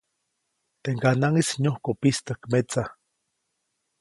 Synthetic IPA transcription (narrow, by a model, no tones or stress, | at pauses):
t̪eŋkanaŋisɲohkopist̪akmet͡sa